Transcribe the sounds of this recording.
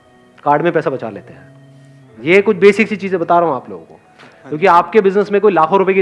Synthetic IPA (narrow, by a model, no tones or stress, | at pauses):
kaːɾɖmẽpɛːsabɐt͡ʃa̰ːlḛːt̪eɦɛː | jekʊt͡ʃʰbeːsɪksit͡ʃiːzẽbɐt̪aːɾɐɦũaːplo̰ːɡõ̰ko̰ | kjõːkiaːpkebɪznəsmẽkoːilaːkʰoɾʊpjeki